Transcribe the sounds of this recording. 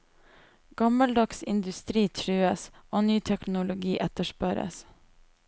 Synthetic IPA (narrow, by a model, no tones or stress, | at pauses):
ɡ̥ɑməld̪ɑksɪ̰nd̪ʉst̪ɾiːt̪ʰɾʉːəsʔoːnyːt̪ʰɛknʊlʊɡiːʔɛt̪əʃpœɾə̰s